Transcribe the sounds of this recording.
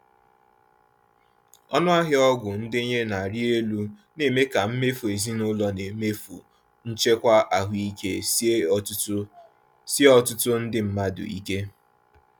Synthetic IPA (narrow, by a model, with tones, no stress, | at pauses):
ɔ˦nʊ˦a˦ɦɪ˦ɔ˦ɡʷʊ˨n̩˦dɪ˦ɲe˦na˨a˨ɾi˦e˦lu˦ne˨me˦ka˨m̩˦me˦fu˨e˨zi˦nʊ˦lɔ˦ne˨me˦fṵ˨ | n̩˦t͡ʃe˦kʷa˦ʔa˨ɦʷi˦ke˦ | si˦ɔ˦tʊ˦tʊ˦n̩˦dɪ˦m̩˦ma˦dʊ̰˨ḭ˦ke˦